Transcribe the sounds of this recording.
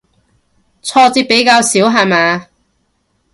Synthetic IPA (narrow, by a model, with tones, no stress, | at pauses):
t͡sʰɔː˧t͡siː˧˥p̚pe˨˥jkaː˧wsiː˨˥wɦa˨˩maː˨˧